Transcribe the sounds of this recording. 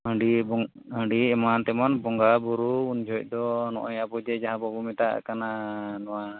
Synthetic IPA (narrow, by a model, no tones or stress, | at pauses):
ɦəɳɖibɔ | ɦəɳɖiɛmant̪ɛmɔnbɔŋɡabuɾuund͡ʒʱɔc̚ˀd̪ɔnɔʔɔɲabɔd͡ʒɛd͡ʒaɦãbɔbɔmɛt̪a̰ʔkananɔwa